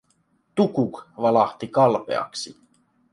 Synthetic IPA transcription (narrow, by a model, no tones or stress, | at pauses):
t̪ukukʋɑlɑht̪ikɑlpe̞̰ɑ̰ksi